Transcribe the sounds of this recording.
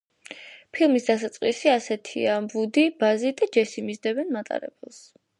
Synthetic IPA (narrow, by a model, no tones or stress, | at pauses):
pʰilˠmisd̪as̬at̪sʼqʼwisiasɛt̪ʰḭambud̪ibazid̪ad͡ʒɛsimizd̪ɛbɛnmat̪ʼa̰ɾɛ̰bɛlˠs